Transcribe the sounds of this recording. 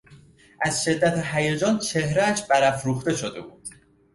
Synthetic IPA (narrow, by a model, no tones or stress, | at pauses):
ʔæzʃe̞d̪ːæt̪ʰeɦæjæd͡ʒɒːnt͡ʃʰehɾæːʃb̥æɾæfɾuːxt̪e̞ʃod̪e̞̰buːd̪̥